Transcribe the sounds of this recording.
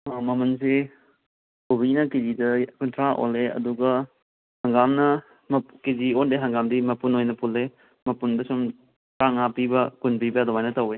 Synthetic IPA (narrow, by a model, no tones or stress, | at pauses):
amɐmɐnse | ubinɐkezidɐkuntʰɾaʔo̰leɐ̰duɡɐ | hɐŋɡamnɐ | mɐkeziondeɦɐŋɡamdimɐpunojnɐpulːe | mɐpundɐsum | kaŋapibɐkunpibɐdɔwajnɐtɐwe